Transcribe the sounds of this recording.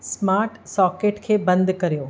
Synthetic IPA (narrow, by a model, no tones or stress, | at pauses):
smaːɾʈsɔːkeːʈkʰeːbɐ̃nd̪kɐɾijoː